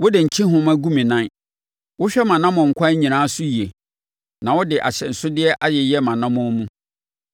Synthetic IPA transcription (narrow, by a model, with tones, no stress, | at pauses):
wʊ˦dɪ˨ɲ̩˨t͡ɕʰĩ˦ɦʊ̃˦ma˦ɡu˦mĩ˨nã˦n | wʊ˦ɕᶣɛ˦mã˨nã˦mɔ̃˨ŋ̩˨kʰʷã˦ɲĩ˨nãː˦sʊ˦ji˨e˨ | nã˨wʊ˦dɪ˨ʔa̰˨ɕɛ˨n̩˨sʊ˦dɪ˦ɛ˦ʔa˦jɛ˨jɛ˦mã˨nã˦mʊ̃˦mũ˦